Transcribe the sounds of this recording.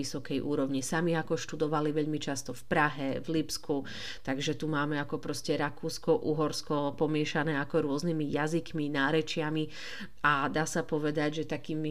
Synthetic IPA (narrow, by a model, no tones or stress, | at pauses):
isɔkɛjʔṵːɾɔʋɲisamiakɔʃt̪ud̪ɔʋaliʋɛʎmit͡ʃast̪ɔfpɾaɦɛʋlipskʰu | t̪aɡʒɛt̪umaːmɛakɔpɾɔscɛɾakuːskɔʔuɦɔɾskɔpɔmɪɛʃanɛːakɔɾʊɔznimijazikminaːɾɛt͡ʃɪami | ʔad̪aːsapɔʋɛd̪aɟʒɛt̪akiːmi